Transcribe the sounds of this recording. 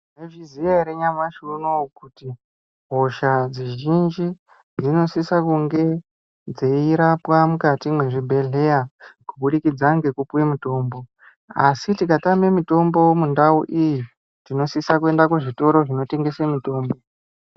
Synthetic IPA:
neviziaɾeɲamwaʃuunokuti | ɦoʃad͡ziʒind͡ʒi | d͡zino̞sisakuŋɡe̞ | d͡zeiɾapwamukatimwe̞ʐibʱe̞ɮe̞jakuɓuɗikid͡zaŋɡe̞kupuwemuto̞ːmbo̞ | asitikatamemito̞mbo̞mundauʔiji | tino̞sisakue̞ndakuʐito̞ɾo̞ʐino̞te̞ŋɡe̞semito̞ːmbo̞

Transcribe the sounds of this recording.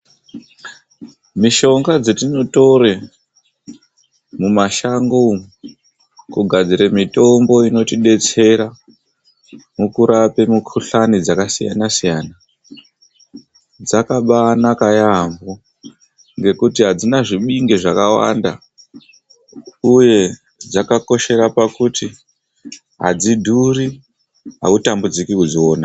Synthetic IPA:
miʃo̞ŋɡad͡zetino̞to̞ɾe | mumaʃaŋɡo | kuɡʱad͡ziɾemito̞mbo̞ino̞tiɗe̞t͡se̞ɾa | mukuɾape̞mukʰuɬanid͡zakasija̰nasijaːna | d͡zakaɓanakajambo | ŋɡe̞kutiɦad͡zinaʐiɓiŋɡeʐakawa̰nda̰ | uje̞ | d͡zakako̞ʃe̞ɾapakuti | ɦa̰d͡zidʱuri | ɦa̰utambud͡zikikud͡zioːna

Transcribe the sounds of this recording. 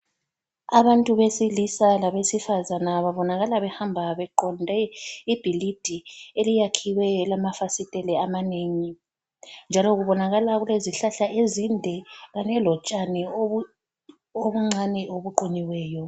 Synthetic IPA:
aβantʼuβesilisalaβesifazanaβaβɔnaɣalaβɛhambʱaβɛǃɔndʱɛib̥ʱilid̥ʱielijakʰiwɛlamafasitʼɛlɛamaneːŋi | nd͡ʒʱalɔɣuβɔnaɣalaɣuleziɬaɬaʔezindʱɛɣanɛlɔt͡ʃʼani | oβuŋ͡ǀʱaniʔoβuǃuɲiwɛːjɔ

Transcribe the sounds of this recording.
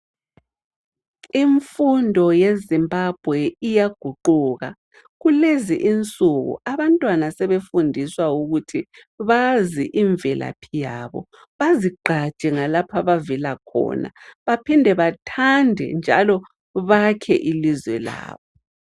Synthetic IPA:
iɱfundʱɔjezimbʱab̥ʱwɛijaɡ̥ʱuǃuːɣa̰ | ɣuleziʔint͡sʼuɣṵaβantʼwanasɛβefundʱiswauɣutʰi | βaziʔiɱvɛlʔa̰pʰijaːβɔ̰ | βaziɡ͡ǃʱḁt͡ʃʼɛŋalapʰaβavilakʰɔ̰ːna̰βapʰindʱɛβatʰandʱɛ̰nd͡ʒʱa̰lɔ | βakʰɛ̰ʔilizwɛ̰la̰ːβɔ

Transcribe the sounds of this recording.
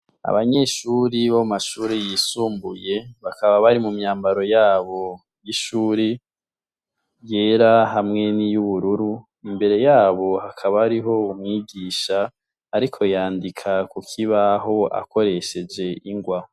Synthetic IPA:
a̰βaɲe̞ːʃuːɾiβomaʃuːɾejiːsuːmbuje̞βakaβaβaɾimumɲaːmbaɾo̞jaːβo̞ | jiʃuːɾi | je̞ːɾaɦamŋe̞nijuβuɾuɾu | imbe̞ɾe̞jaːβo̞hakʰaβaːɾiɦo̞umŋiːɡiːʃaː | ɾikʰo̞jaːndikʰakukʰiβaɦo̞a̰ko̞ɾe̞ʃe̞d͡ʒe̞ʔiŋɡwaːho

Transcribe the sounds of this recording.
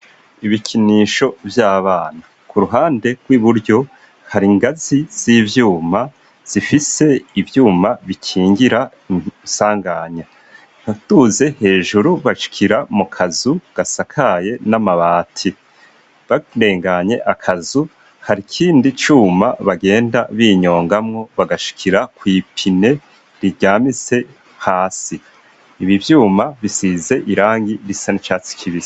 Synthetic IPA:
iβikʰiniːʃo̞vjaːβaːna | kʰuɾuɦaːnde̞ɡ̥wiβuɾjo̞ | haɾiŋɡaziz̥iːvjuːma | z̥ifise̞ivjuːmaβikʰiːŋɡiɾa | isaːŋɡaɲa | hatuze̞he̞ːʒuɾuβaʃi̥kʰiɾamukʰazuɡ̥asakʰaje̞namaβaːtʰi | βade̞ːŋɡaɲe̞ʔakʰazu | haɾikʰiːndit͡ʃuːmaβaɡe̞ːndaβiːɲo̞ːŋɡamŋo̞βaɡaʃi̥kʰiɾakwiːpʰine̞ | ɾiɾɟaːmise̞ | haːsiː | βivjuːmaβisize̞ʔiɾaːŋɡiɾisanit͡ʃaːt͡si̥kʰiβiz

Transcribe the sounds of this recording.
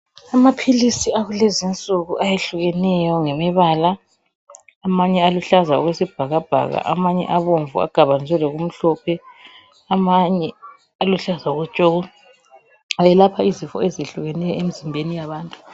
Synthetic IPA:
amapʰilisiaɣulezint͡sʼuɣuʔajeɬuɣɛnɛjɔŋɛmɛβaːlaː | maɲɛaluɬazaṵɣwesib̥ʱaɣab̥ʱa̰ɣa̰ʔa̰maɲɛ̰ʔaβoɱvua̰ɡ̥ʱaβanzʱwɛlɛɣum̩ɬɔpʰɛ | amaɲɛ | aluɬazauɣut͡ʃʼoɣu | ajɛlapʰaizifɔ̰ezeɬuɣɛnɛjɔemizimbʱenijaβaːntʼu̥

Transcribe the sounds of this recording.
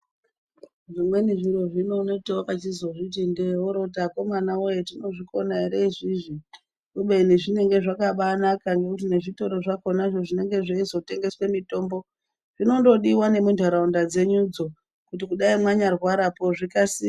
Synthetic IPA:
ʐimwe̞niʐiɾo̞ʐino̞noteopat͡ʃizo̞ʐitindeoɾo̞tako̞manaojetino̞ʐiko̞naiɾeʐiʐi | kuɓeineʐine̞ŋɡe̞ʐakaɓanakaŋɡe̞kut̬ine̞ʐito̞ɾo̞ʐakonaʐo̞ʐine̞ŋɡe̞ʐaizo̞te̞ŋɡe̞swe̞mito̞ːmbo̞ | ʐ̥ino̞ndo̞ɗiwane̞mundʱaɾaundad͡ze̞ɲud͡zo̞ | kut̬ikuɗaimwaɲarwaɾapo̞ʐikasiː

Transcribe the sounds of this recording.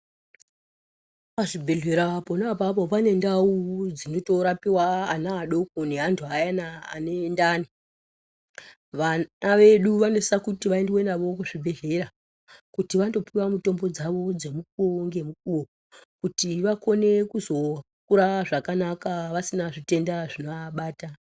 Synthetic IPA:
paʐibʱe̞ɮe̞ɾaponapap̬o̞pane̞ndaud͡zino̞to̞ɾapiwaːnaːɗo̞kone̞ɦantʰuajana̰ːnendaːni | ʋaaʋe̞ɗuʋanosisakutiʋaendwe̞naʋo̞kuʐibʱe̞ɮe̞ɾa | kutiʋando̞piwamuto̞mbo̞d͡zaʋo̞d͡ze̞muk̚uoŋɡe̞muk̚uo | kutiʋako̞ne̞kuzo̞ | kuɾaʐakanakaʋasinaʐite̞ndaʐinoaɓaːta

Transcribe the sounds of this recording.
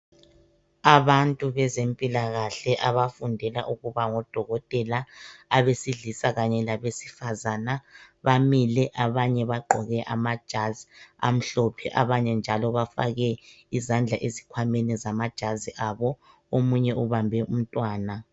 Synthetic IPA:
aβantʼuβɛzempʼilaɣaɬɛʔaβafundʱɛla̰ʔuɣuβaŋɔd̥ʱɔɣɔtʼɛlaaβesiɮisaɣaɲɛlaβesi̥fazanaβamilɛʔaβaɲɛβaɡ͡ǃʱɔɣɛʔa̰mad̥ʒ̥ʱazia̰m̩ɬɔpʰɛʔaβaɲɛnd͡ʒʱalɔβafa̰ɣɛ | izand͡ɮʱaʔezikʰwamɛnizamad̥ʒ̥ʱaziʔaβɔ | omuɲɛuβambʱɛum̩tʼwaːna

